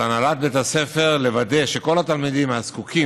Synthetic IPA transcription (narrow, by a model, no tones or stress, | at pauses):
analat̪̚bet̪ase̞fe̞ʁle̞vad̪e̞ʃeko̞lat̪almid̪imazkukʰi